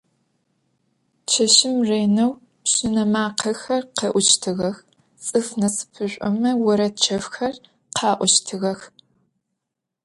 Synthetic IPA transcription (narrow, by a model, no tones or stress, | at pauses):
t͡ʃʰɐʃɪmreːnɐw | pɕɪnɐmaːqʰɐxɐrqeʔʷʊt͡ʃtʰɨɣɐx | t͡sʼɨfnɐsɨ̥pʰɨɕʷʼɔmɐwɔɾɐt͡ʃʰɐfxɐr | qʰɑːʔʷɔʃtʰɨɣɐx